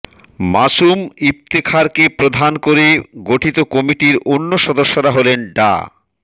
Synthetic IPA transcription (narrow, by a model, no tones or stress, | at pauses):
maʃumip̚t̪ekʰaɾkepɾod̪ʱankoɾeɡoʈʰit̪okɔmiʈiɾonːoʃɔd̪oʃːoɾaɦolenɖa̰